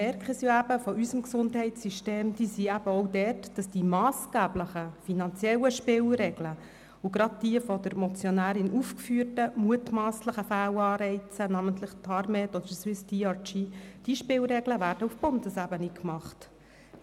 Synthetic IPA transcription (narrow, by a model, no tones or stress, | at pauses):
mɛɾkχəsjoæb̥əfɔʔysəmksʊndɦɛɪtsyʃteːmd̥iːsiæb̥əɔʊdɛtd̥ɑsd̥imɑːsɡ̥æːbləχəfinɑnt͡sjɛləʃpɪwɾɛɡlə | uɡɾɑd̚d̥iəfɔd̪əɾmɔt͡sjɔnæːɾɪnʔufkfyətəmuətmɑːsləχəfæːwɑːɾɛɪt͡sənæməntlɪχtʰɑɾmɛtɔd̥̪əɾswɪsd̥iɑt͡ʃid̥iʃpɪwɾɛɡləvæːɾd̥əufb̥ʊndəsæbənikmɑχt